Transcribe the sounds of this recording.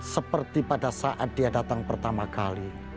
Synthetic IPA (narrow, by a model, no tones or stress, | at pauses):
səpərt̪ipadasaʔat̪̚dijadat̪aŋpərt̪amakali